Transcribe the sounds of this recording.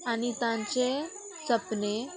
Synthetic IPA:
anit̪ãɲt͡ɕe | t͡səpne

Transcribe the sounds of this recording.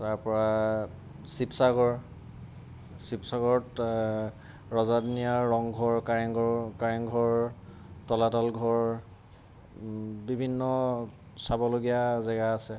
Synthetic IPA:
taɹpɔɹa | sipsaɡɔɹ | sipsaɡɔɹɔt | ɹɔzadnijaːɔŋɡʱɔɹkaɹɛŋɡɔkaɹɛŋɡʱɔɹ | tɔlatɔlɡʱɔɹ | bibʱinːɔ | sabɔloɡijazɛɡaːsɛ

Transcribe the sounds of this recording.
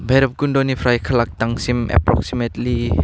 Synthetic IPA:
bʱeɾɐp̚ɡundɔnipʰɾajkʰɐlak̚taŋsimɛ̰pɾɔ̰ksimetli

